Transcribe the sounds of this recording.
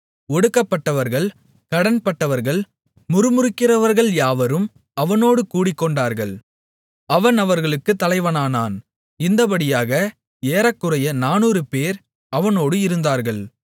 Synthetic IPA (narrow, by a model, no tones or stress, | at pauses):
ɔɽɯkːɐpːɐʈːɐʋɐɾɣɐɭ | kɐɽɐnpɐʈːɐʋɐɾɣɐɭ | mʊɾɯmʊrɯkːɪrɐʋɐɾɣɐɭjaːʋɐɾɯm | ɐʋɐnoːɽɯkuːɽɪkːɔɳɖaːɾɣɐɭ | ɐʋɐnɐʋɐɾɣɐɭɯkːɯt̪ːɐlɐɪʋɐnaːnaːn | ɪnd̪ɐbɐɽɪjaːɣɐ | eːɾɐkːɯrɐjɐnaːnuːɾɯpeːɾ | ɐʋɐnoːɽɯɪɾɯnd̪aːɾɣɐɭ